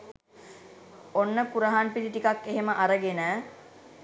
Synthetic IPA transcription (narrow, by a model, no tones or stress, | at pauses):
onːəkuɾəɦanpid̪iʈikakːeɦeməʔaɾəɡenə